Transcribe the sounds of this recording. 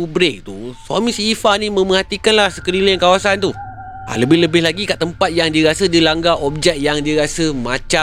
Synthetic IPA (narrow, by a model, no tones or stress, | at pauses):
ubɾek̚t̪uswamĩsifanĩmə̃mə̃ɦat̪ikanlahsə̥kəɾilənkawasant̪u | a̰ləbɪhləbɪhlaɡikaʔt̪əmpat̪̚jaŋdiəɾasədilaŋɡaʔɔp̚d͡ʒɛk̚jaŋdiəɾasəmãt͡ʃa